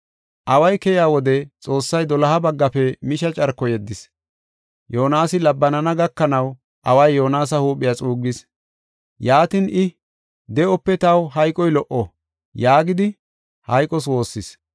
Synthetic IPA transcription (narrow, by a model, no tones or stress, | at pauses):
ʔɐwɐjkɛjaːwɔd̪ɛt͡sʼo̞ːsːɐjd̪ɔlɐhɐbɐɡːɐpɛmɪʃɐt͡ʃʼɐɾkːɔjɛd̪ːɪs | joːnaːsɪlɐbːɐnɐnɐɡɐkːɐnɐw | ʔɐwɐjːo̞ːnaːs̬ɐhuːpʼːɪjat͡sʼuːɡːɪs | jaːt̪ɪnʔɪ | d̪ɛɔpːɛt̪ɐwɦɐjkʼɔjlɔʔɔ | jaːɡɪd̪ɪ | hɐjkʼɔs̬wo̞ːsːɪs